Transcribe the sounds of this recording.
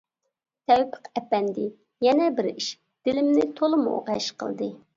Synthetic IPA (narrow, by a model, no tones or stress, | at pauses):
t̪ʰɛwpʰə̥qɛpɛnd̪ɪ | jɛnɛbɪɾiʃ | d̪̥ɪlɪmnɪt̪ʰolˠɨmṵʔo̰qɛ̰ʃqʰə̰lˠd̪ɨ